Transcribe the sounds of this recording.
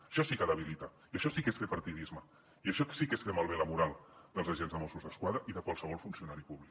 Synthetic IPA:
əʃɔsikəðəβ̞ilit̪a | iəʃɔsikesfepɐɾt̪iðizmə | iəʃɔsikesfemalˠβeləmuɾalˠd̪əlzəʒenzðəmɔsuzðəskwaðɾəʔiðəkwalˠsəβɔlˠfunsiunaɾipuβlik

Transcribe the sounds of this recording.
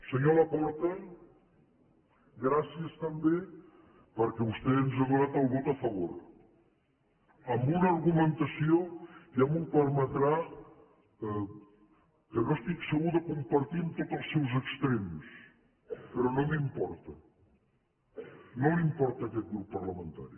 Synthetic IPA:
səɲoləpɔɾt̪ə | ɡɾasiəst̪əmbe | pəɾkɛβust̪enzəβuɾat̪əlˠβot̪əfəβ̞o̰ɾ | əmbunəːɾɣumənt̪əsiojamupəɾmət̪ɾa | kənost̪iksəɣuðəkumpəɾt̪imt̪ot̪əlˠsːɛwzəkst̪ɾems | pəɾɔnomimpɔɾt̪ə | nomimpɔɾt̪əːkɛt̪̚ɡɾupːərləmənt̪a̰ɾḭ

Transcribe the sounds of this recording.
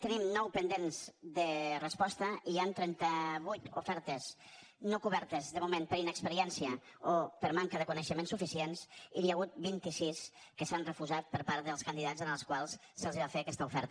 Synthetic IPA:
t̪ənimnɔwpənd̪enzðərəspɔst̪əʔiant̪ɾɛnt̪əβujt̪ufɛɾt̪əz | nokuβɛɾt̪əzðəmumẽnpəɾinəkspəɾiɛnsiəopəɾmaŋkəðəkunəʃəmensufisiensiliaɣut̪̚bint̪isiskəsanrəfuʒat̪̚pəɾpaɾðəlˠskənd̪iðazənəlˠskwalˠsːəlˠziβafeəkɛst̪əufɛɾt̪ə

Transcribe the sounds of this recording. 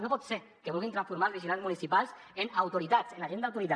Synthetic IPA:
nopɔt̪se | keβulɣint̪ɾãɱsfuɾmaɾlβiziunanzmunisipalˠs | enawt̪uɾit̪at͡senaʒend̪awt̪uɾit̪a

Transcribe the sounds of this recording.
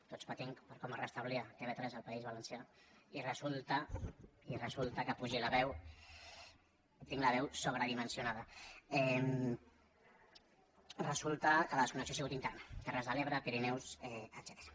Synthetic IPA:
t̪ospət̪iŋpəɾkɔmərəst̪əβliat̪eβet̪ɾɛzəlˠpaizβələnsjairəzulˠt̪əirəzulˠt̪əkəpuʒiləβɛw | t̪iŋləβ̞ɛwsoβɾəðimənsjunað̞əɛm | rəzulˠt̪əkələðəskunəksiosiɣut̪int̪ɛrnət̪ɛrəzðəleβɾəpiɾinɛwsɛəd̪zɛt̪e̥ɾə

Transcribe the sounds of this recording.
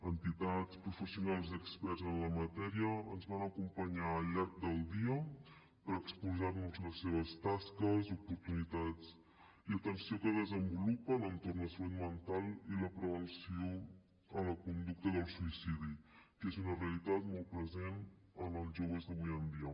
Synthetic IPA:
ənt̪it̪at͡spɾufəsiunalˠziəkspɛrzənləmət̪ɛɾiəənzβanəkumpəɲaəʎaɾk̚d̪əlˠd̪iə | pəɾəkspulzarnuzləsːeβ̞əst̪askəzupuɾt̪unit̪at͡s | iət̪ənsiokəðəzəmbulupələnt̪ornəslut̪mənt̪alˠiləpɾəβənsio | ələkund̪uk̚t̪əðəlˠsuisiðikezunəreəlit̪at̪mɔlˠt̪̚pɾəzenələlʒoβ̞əzðəβujɛnd̪iə

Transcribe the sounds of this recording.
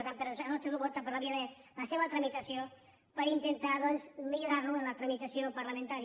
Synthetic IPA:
t̪ampeɾosanost̪eluβot̪apaɾlaβiaðelaseβat̪ɾamit̪asjon | paɾint̪ent̪aðosmeʎoɾaɾnuenlat̪ɾamit̪asjompaɾlamẽnt̪aɾ

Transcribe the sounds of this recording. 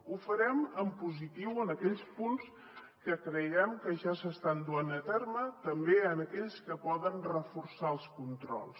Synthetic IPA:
ufəɾɛməmpuzit̪iwənəkɛʎspuns | kəkɾəjɛmkəʒasəst̪and̪uanət̪ɛrmət̪əmbeənəkɛʎskəpɔðənrəfursaəlˠskunt̪ɾɔ̰lˠs

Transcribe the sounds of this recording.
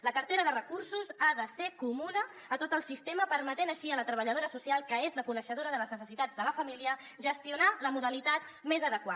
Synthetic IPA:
ləkəɾt̪eɾəðərəkursuzaðəsekumunəː | t̪ot̪əlˠsist̪eməpəɾmət̪enəʃiələt̪ɾəβəʎəð̞oɾəsusialˠkəezləkunəʃəð̞oɾəðələznəsəsit̪ad͡zðələfəmiliə | ʒəst̪iunaləmuðəlit̪at̪̚ | mezəðəkwa

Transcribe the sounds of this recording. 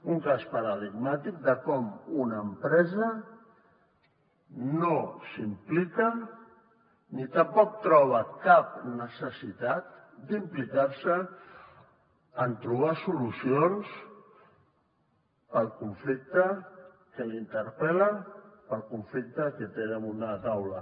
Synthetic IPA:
uŋkaspəɾəðiɡmat̪ik̚d̪əkɔmunəmpɾɛzə | nosimplikə | nit̪əmpɔk̚t̪ɾɔβ̞əkap̚nəsəsit̪at̪̚d̪implikaɾsə | ənt̪ɾuβ̞asulusions | pəlˠkuɱflik̚t̪ə | kəlint̪əɾpɛləpəlˠkuɱflik̚t̪əkət̪enəmunət̪awlə

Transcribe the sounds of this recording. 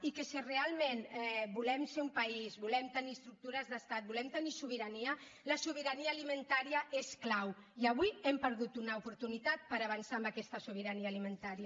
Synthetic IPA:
ikesirealˠmenɛbulɛmseumpaizbulɛmt̪əniəst̪ɾuk̚t̪uɾəzðəst̪at̪̚bulɛmt̪ənisuβ̞iɾaniə | ləsuβiɾaniaːlimənt̪aɾiaʔesklaw | iaβiɛmpəɾðut̪unaupuɾt̪unit̪at̪̚pəɾaβ̞ansambakɛst̪əsuβiɾaniaːlimənt̪aɾia

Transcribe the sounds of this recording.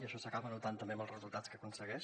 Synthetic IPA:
iəʃɔsəkaβənut̪ant̪əmbeəməlˠrəzulˠt̪at͡skəkunsəɣɛʃ

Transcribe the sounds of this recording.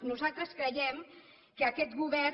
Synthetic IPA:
nuzalˠt̪ɾəskɾəjɛm | kəːkɛt̪ɣuβɛ

